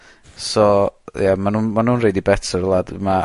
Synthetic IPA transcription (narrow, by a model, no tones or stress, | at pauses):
sɔjamanuːnmanuːnrejdibɛtʰərlˠadma